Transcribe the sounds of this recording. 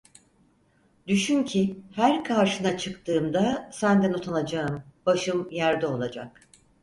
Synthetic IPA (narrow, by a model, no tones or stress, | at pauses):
d̪yʃyncʰihæɾkʰaɾʃɯnat͡ʃʰɯkt̪ʰɯːmd̪asænd̪ɛnot̪ʰanad͡ʒaɯmb̥aʃɯmjæɾd̪ɛo̞lˠad͡ʒa̰k